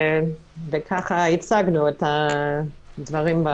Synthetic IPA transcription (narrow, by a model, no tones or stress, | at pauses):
vekʰaχahit͡saɡnuɛta | dvɐʁimba